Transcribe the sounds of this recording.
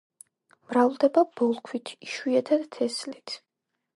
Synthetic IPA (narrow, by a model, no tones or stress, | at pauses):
mɾavlˠd̪ɛbab̥ɔlˠkʰwit̪ʰiʃwiɛt̪ʰad̪t̪ʰɛslit̪ʰ